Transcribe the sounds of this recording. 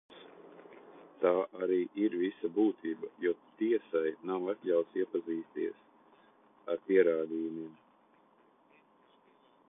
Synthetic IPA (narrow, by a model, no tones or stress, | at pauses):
s | t̪aːʔaɾiːʔiɾvisabuːt̪ʰiːbajut̪iɛsajnawat̪ʲlʲawt̪siɛpaziːst̪iɛs | aɾpiɛɾaːd̪iːjumiɛm